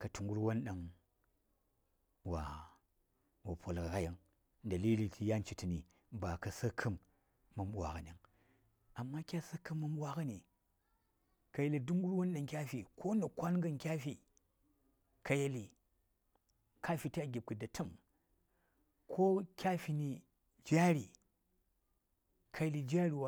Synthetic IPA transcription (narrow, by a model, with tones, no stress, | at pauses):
kɐ˨tu˨ŋɡu˦ɾwo˦nɗa˨ŋ | wa̰˨ | wa˨pʷo˨lka˨ka˦ja˨ŋ | da˨li˦li˨tʰi˨ja˦n˦t͡ʃi˨ti˨ni˨ | ba˨kɐ˨sɐ˦kʰə˦mː | ɐ˨mɓʷa̰˨ɣa˨nʲ˨a˨ŋ | a˨mːa˦kʲa˦sa˦kɨ˦mːɐ˦mɓwa˦kɐ˦ni˨ | kɐ˨je˨li˨du˦ŋɡu˦ɾwo˦n˦la˨ŋkʲa˦fi˨kʰo˦nɐ˨kʷa˦nɡɐ˦ŋkʲa˦fi˨ | ka˨je˨li˨ | ka˦fi˨ta˦ɡʲi˨b̚kɨ˨dɐ˨tʰu˦m | kʰo˦kʲa˦fi˨ni˨ | d͡ʒa˦ɾi˨ | kʰa˨je˨li˨d͡ʒa˦ɾi˨wa˦